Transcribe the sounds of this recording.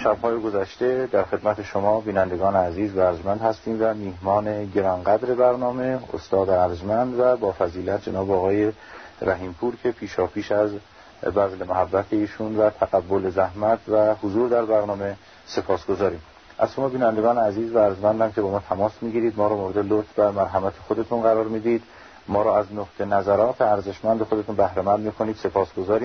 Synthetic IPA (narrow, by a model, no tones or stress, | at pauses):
ʃæbhɒːjeɡo̞zæʃt̪e̞d̪æɾxe̞d̪mæt̪ʰe̞ʃomɒːbiːnænd̪eɡɒːneæziːzvæːɾzmænd̪hæst̪iːmvæmiːhmɒːne̞ɟe̞ɾɒnɡæd̪ɾe̞bæɾnɒːme̞o̰st̪ɒːd̪æɾzmænd̪væbɒːfæziːlæt̪̚d͡ʒenɒːbeɒːɣɒːje̞ | ɾæɦiːmpʰuːɾcʰe̞pʰiːʃɒːpʰiːʃæz | bæzlemoɦæbːæt̪ʰe̞iːʃunvæt̪ʰæɣæbːolezæhmæt̪ʰvæhozuːɾd̪æɾbæɾnɒːme̞ | se̞pʰɒːsɡ̥o̞zɒːɾiːm | ʔæz̥ʃomɒbiːnænd̪e̞ɡɒːneæziːzvææɾzmænd̪æmkʰe̞bɒːmɒːt̪ʰæmɒːsmiːɡiːɾiːd̪mɒːɾɒːmoɾed̪elot̪bæɾmæɾɦæmæt̪ʰexod̪e̞t̪ʰunɢæɾɒːɾmiːd̪iːd̪ | mɒːɾɒːæznoqt̪ʰenæzæɾɒːt̪ʰeæɾze̞ʃmænd̪exo̞d̪et̪unbæhɾæmænd̪miːkʰo̞niːd̪se̞pʰɒːsɡ̥o̞zɒːɾiːm